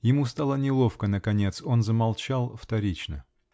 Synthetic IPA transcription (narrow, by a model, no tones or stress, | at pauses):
jɪmust̪alˠənʲɪlˠo̞fkənəkɐnʲe̞t̪so̞nzəmɐlˠt͡ɕalˠft̪ɐɾʲit͡ɕnə